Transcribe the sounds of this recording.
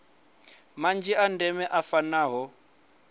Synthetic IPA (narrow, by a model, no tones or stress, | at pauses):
mand͡ʒiandɛmɛʔafanaːɦɔ